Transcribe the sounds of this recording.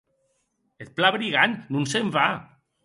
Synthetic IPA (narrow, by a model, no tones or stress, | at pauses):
et̪̚plaβɾiɣanːunseɱfa